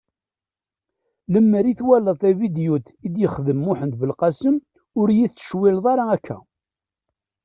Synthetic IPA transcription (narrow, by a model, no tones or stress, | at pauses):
ləmːəɾiθwæləðˤævid̪jut̪id̪jəχðəmːʊħənd̪bəlqɑsəm | ʊɾjiθt͡sə̥ʃwilðˤɑɾaækʰːæ̰